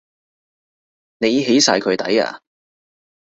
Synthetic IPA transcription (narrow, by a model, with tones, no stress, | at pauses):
ne˨˧jɦe˨˥jsaː˧jkʰɵ˨˧t̪ɐ̰˨˥ja̰ː˧